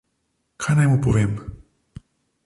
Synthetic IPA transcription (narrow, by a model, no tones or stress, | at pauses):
kʰajnajmupɔʋeːm